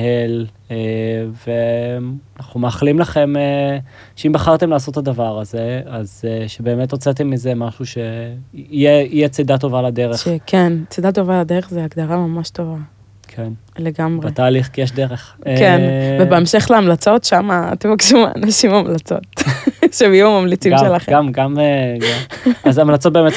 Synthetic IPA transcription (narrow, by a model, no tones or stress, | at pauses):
hel | eveanaχumeaχlimlaχe̞me | ʃeimbaχaʁt̪emlaːso̞t̪ːad̪avaʁaze̞azʃebe̞ːmet̪ʁot͡set̪emːizemaʃuʃeijeijet͡sedato̞valade̞ʁeʃekʰent͡sed̪at̪o̞valadeʁeχzeaɡd̪aʁamamaʃto̞va | kʰen | le̞ɡamʁbaet̪aːliχkijeʃ̬deʁeχkenvebeemʃe̞χleamlat͡so̞tʃama̰ːt̪emakʃuma̰a̰naʃimaːmlat͡so̞̰tʃemjumamamlit͡simmʃelaχeamɡamɡaazamlat͡sot̚bemet